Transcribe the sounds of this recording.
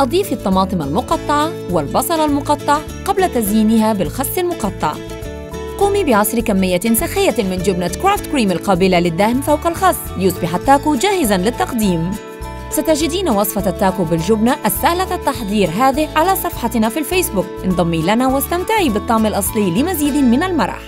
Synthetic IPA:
ʔɑd̪ˤiːfit̪ˤːɑmɑːt̪ˤɨmalmʊqɑt̪ˤːɑʕɑ | wɪlbɑsˤɑɾˤɑlmʊqɑt̪ˤːɑʕ | qablat̪azjiːnɪɦabɪlxɑsˤːɪlmʊqɑt̪ˤːɑʕ | quːmibɪʕɑsˤɾkamːɪjːasaxɪjːamɪnd͡ʒʊbnakɾaːft̪kɾiːmalqɑːbɪlalɪd̪ːahmθawqɑlxɑsˤːjʊsˤbɪħat̪ːaːkud͡ʒaːhɪzanlɪt̪ːɑqd̪iːm | sat̪ad͡ʒɪd̪iːnawɑsˤfɑt̪at̪ːaːkubɪlʒʊbnaʔasːaːlaat̪ːɑħðˤiːɾɦaːðɪhʕalasˤɑfħɑt̪nafilfeːsbʊk̚nd̪ˤɑmːilanawast̪amt̪aʕiːbɨt̪ˤːɑʕmɪlʔɑsˤliːlɪmaziːd̪ɪmɪnalmɑ̰ɾˤɑ̰ħ

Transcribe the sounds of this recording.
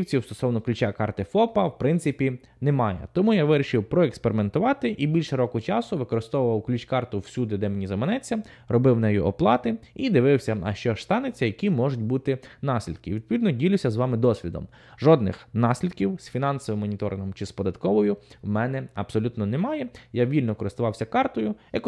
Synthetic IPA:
wt͡sʲiwst̪ɔ̥sɔwnɔklʲʉt͡ʃakɑrt̪ɪfɔpɐwpɾɪnt̪sɪpʲi | nɛmɑjɛ̰t̪ɔmujaʋɪɾʲiʃɪwpɾɔekspeɾɪment̪ʊʋɑt̪ɪʔibʲilʲʃɛɾɔkʊt͡ʃɑsʊʋɪkɔɾɪst̪ɔʋʊʋɐwklʲut͡ʃkɑrt̪ʊwsʲud̪ɪd̪ɛmenʲizɐmenɛt͡sʲːɐ | rɔbɪwnɛjʊ̰ʔɔplˠɑt̪ɪid̪ɪʋɪwsʲɐɐ̰ʃt͡ʃɔʃst̪ɑnet͡sʲːɐjɐkʲimɔʒʊt̚ʲbut̪ɪnɑsʲlʲḭd̪kɪʋʲid̪̚pɔʋʲid̪nɔdʲilʲʊwsʲɐzʋɑmɪd̪ɔsʲʋʲid̪ɔ̰m | ʒɔd̪nɪ̰xnɑsʲlʲid̪kʲiwsfʲinɑnsɔʋɪmːɔnʲit̪ɔɾɪ̰nɦɔmt͡ʃɪspɔd̪ɐt̪kɔʋɔjʊwmɛnɛɐbsɔlʲut̪nɔnɛmɑjɛjaʋʲilʲnɔkɔɾɪst̪ʊʋɑwsʲɐkɑrt̪ɔjʊjɐk

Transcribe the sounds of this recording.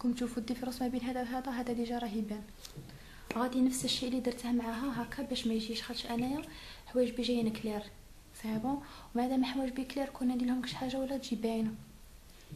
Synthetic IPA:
kʊnt̪ʃufud̪ifɾusmæbinɦæd̪æhæd̪æɦæd̪æd̪iʒɑɾˤɑɦibæn | ɣæd̪inəfsəʃːiʔlːid̪iɾˤt̪hmːʕaɦæɦækːæbæʃmæjʒiʃxɑd̪əʃʔænæjæħwæjəʒbiʒæjnkliɾ | sæbõ | wmaʕd̪æmæħwæəʒbikliɾkunːæd̪ilhʊmkə̥ʃħaʒːawəlːæt̪ʒibæjnæ

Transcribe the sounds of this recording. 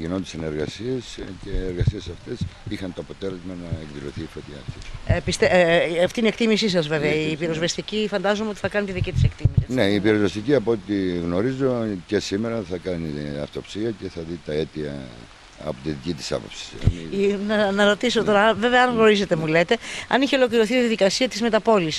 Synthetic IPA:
ʝinont̪iseneɾɣɐsiesceeɾɣɐsiesɐft̪esixɐnt̪oɐpo̞t̪e̞le̞zmɐnɐekðilo̞θiːfot̪çɐːft̪iepist̪eɐft̪iniekt̪imisis̬ɐzve̞veɐiːpiɾo̞zvest̪icifɐnd̪ɐzomeot̪iθɐkɐnit̪iðicit̪i̥sekt̪imisneiːpiɾozvest̪iciɐpo̞t̪iɣno̞ɾizo̞cesimeɾɐθɐkɐniɐ̰ft̪o̞psiɐce̞θɐðit̪ɐet̪iɐ̰ | ɐ̰pot̪iðicit̪i̥sɐ̰po̞psi̥sḛminɐnɐɾo̞t̪isot̪o̞ɾɐve̞ve̞ɐɐnɣno̞ɾise̞t̪e̞mule̞t̪e̞ɐ̰niçeo̞lo̞kliɾo̞θiiðɐðikɐsiɐt̪izme̞t̪ɐpo̞lis

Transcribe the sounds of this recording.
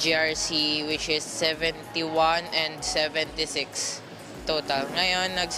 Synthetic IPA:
d͡ʒiaɹsiwɪt͡ʃɪsːɛvɛ̃nt̪iwanɛ̃nd̪sɛvɛ̃nt̪isɪks | t̪oːt̪ɐlŋɐjonːɐɡs

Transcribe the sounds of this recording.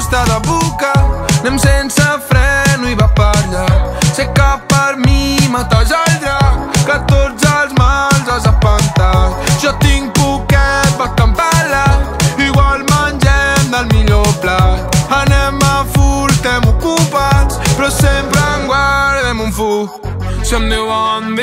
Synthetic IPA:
st̪aðaβukanɛmsensafɾɛnuiβapaɾʎasekapaɾmimat̪azalt̪ɾakat̪ozalzmalzazapant̪aʒ̥ɔt̪iŋpukɛt̪̚bakːampalaiɣwalmanʲd͡ʒɛmd̪almiʎɔplat̪anɛmafuɾt̪ɛmukupaspɾɔsɛmpɾaŋɡwaɾðɛmuɱfu | samd̪ewand̪

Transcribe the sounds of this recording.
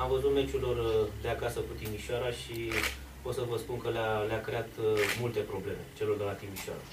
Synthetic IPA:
amvəzut̪me̞t͡ʃulord̪eakasəkut̪imiʃoaɾaʃi | po̞t̪səvəspunkəlaleakɾe̞at̪mult̪e̞pɾo̞ble̞me̞̰t͡ʃe̞lord̪e̞lat̪imiʃoa̰ɾa

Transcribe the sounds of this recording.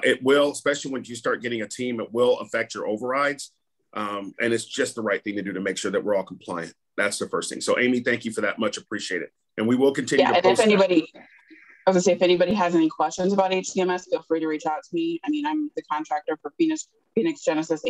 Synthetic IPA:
ʔɪt̚wɪlˠəspɛʃl̩ˠiwɨ̃njɨstɑɹt̚ɡ̥ɛɾɪ̃ŋɨtʰĩmɪt̚wɪlˠə̰fɛk̚t͡ʃə̰˞ʔoʊvə˞ɹaɪdz̥ | ʔmʔɨ̃nɨtsd̥ʒ̥ʌst̪̚ðəɹaɪt̪̚θɪ̃ŋtʰɨdɨɾɨmeɪkʃʊɹðɨʔ̚wɪɹɔlˠkʰm̩pʰl̥aɪɨ̰̃n | ðætsðəfɜ̰˞st̪θɪ̰̃ŋsoʊʔḛ̃ɪmiθæ̃ŋkjɨfə˞ðɨ̰t̚mʌt͡ʃɨpʰɹ̥iʃieɪɾɨ̰d̚ | ʔɨ̃nwiwɪlˠkn̩tʰɪ̃njæjɾɨɨ̃nɨfɛnibɑɾi | aɪwʌzseɪɨfɛnibɑɾiɨzɛnikʰw̥ɛst͡ʃɨ̃nzəbaʊɾeɪt͡ʃtʰiɛ̃mɛsfilˠfɹiɾəɹit͡ʃʰɑtsmiaɪmĩnãɪ̃mðɨkʰɑ̃ntʰɹ̥æk̚tə˞fə˞finɨs | finɨksd̥ʒ̥ɛnɨsɨs

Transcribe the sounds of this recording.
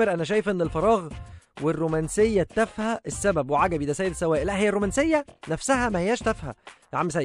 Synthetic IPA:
eɾʔænæʃ̬æːjefʔenːelfɑɾˤɑːɣwerːomænsejːæt̪ːæfhæʔesːæbæbweʕaɡæbiːd̪æsæːjed̪esːæwæːʔlæʔhejːærːomænsejːænæfsæhæmæhejːæːʃt̪æfhæ̰ | ʕamːsæj

